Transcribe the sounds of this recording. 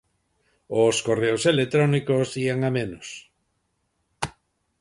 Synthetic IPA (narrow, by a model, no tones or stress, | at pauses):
oskoreoselet̪ɾɔnikosiaŋamẽnos